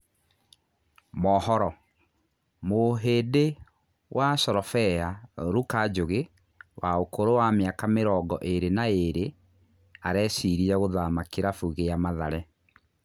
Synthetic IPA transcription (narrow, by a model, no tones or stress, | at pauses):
mɔhɔɾɔ | moɦeːde | wʔasɔɾɔfɛaɾukad͡ʒoɣe | waokoɾowamjakameɾɔːɡɔʔeɾenaeɾe | aɾɛːsiɾiɛɣoðamakeɾafuɣejamaðaɾɛ